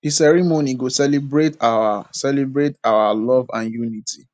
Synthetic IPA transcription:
isɛɹimoniɡosɛlibɹetawasɛlibɹetawalɔvãnjuniti

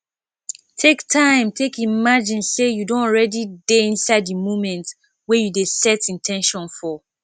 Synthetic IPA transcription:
tʰektʰãɪ̃mtʰekimad͡ʒĩnsejudõnɹɛdideĩnsaɪdəmomɛ̃nt | wɛjudesɛtĩntʰɛ̃nʃɔ̃nfɔ

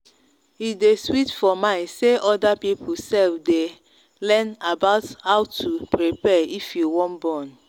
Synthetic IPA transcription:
ideswitfɔmãɪ̃seʔɔdapipʰusɛlfde | lɛ̃nabaʊthawtʰupɹipɛifjuwɔ̃nbɔ̃n

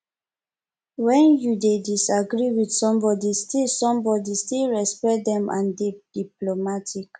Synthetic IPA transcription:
wɛ̃njudedisaɡɹiwidsɔ̃mbɔdistilsɔ̃mbɔdistilɹɛspɛt̚d̪ɛ̃mʔã̰nded̥iplomatʰik

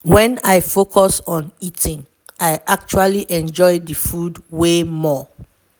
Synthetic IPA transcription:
wɛ̃naɪfokʰɔsɔ̃nitʰĩŋ | aɪʔak̚t͡ʃualiʔɛ̃nd͡ʒɔɪdəfudwemɔ

